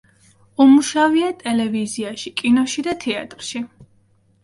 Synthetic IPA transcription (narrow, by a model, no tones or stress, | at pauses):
umuʃaviat̪ʼɛlɛviziaʃikʼinɔʃid̪at̪ʰɛat̪ʼɾʃi